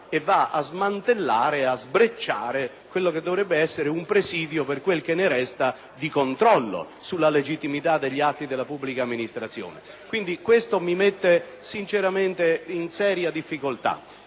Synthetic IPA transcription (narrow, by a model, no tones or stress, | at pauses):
evːaa̰zmant̪elːaːɾeazbɾet͡ʃːaːɾe | kwelːok̟ed̪ːovɾɛbːeɛsːeɾeumpɾesiːd̪joperkwelk̟enːeɾɛst̪a | d̪ikont̪ɾɔlːo̰ | sulːaled͡ʒit̪ːimit̪ad̪ːeʎːat̪ːid̪elːapubːlikaːmːinist̪ɾat̪sːjɔ̰ːnḛ | kwind̪ikwest̪omimet̪ːe | sint͡ʃeɾament̪einsɛːɾjad̪ifːikolt̪a̰